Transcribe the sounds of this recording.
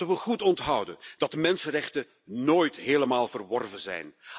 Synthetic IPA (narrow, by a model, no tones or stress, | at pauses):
əʋəχutɔntɦɑwdənd̥ɑt̚əmɛnsənrɛχtə | noːjtɦeːləmaːlˠvərʋɔrvənzɛ̰jn